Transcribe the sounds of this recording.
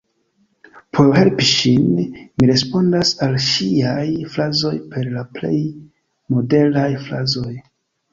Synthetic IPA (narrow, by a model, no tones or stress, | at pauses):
pʰoɦe̞lpiʃinmiɾe̞spo̞ndasalʃiajflazo̞jpe̞ɾlaple̞̰j | mo̞de̞lajflazo̞j